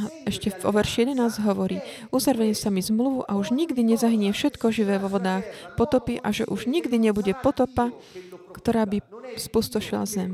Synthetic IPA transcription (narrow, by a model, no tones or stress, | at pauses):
ɛʃcɛɔ̰ʋɛɾʃijɛd̪ɛnaːzɟɦɔʋɔɾiː | ʔuzaɾʋɛɲɛsamizmluʋuʔauʒɲiɡd̪iɲɛzaɦiɲɪɛfʃɛt̪kɔʒiʋɛːʋɔʋɔd̪aːxpɔt̪ɔpiʔaʒɛ̰ʔuʒɲiɡd̪iɲɛbuɟɛpɔt̪ɔpa | kt̪ɔɾaːbispust̪ɔʃila̰zɛm